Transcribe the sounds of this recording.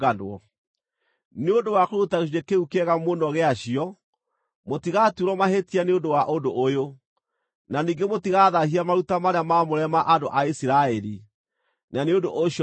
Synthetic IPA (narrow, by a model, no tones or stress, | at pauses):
anɔ | neondowakoɾutaɣeuɾekeukɛɣamonɔɣeaɕiɔ | motiɣaːtuɾɔmaɦetianeondowaʔondoʔojo | naniːŋɡemotiɣaːðahiamaɾutamaɾeamamoɾɛmaʔandoʔaisiɾaɛɾi | naneondoʔoɕ